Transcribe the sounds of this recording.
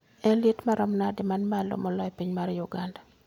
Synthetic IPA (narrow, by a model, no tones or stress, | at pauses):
ɛnljetmaɾʔɔmnadɪmanmalɔ̰mɔlɔepiɲmaɾjuɡanda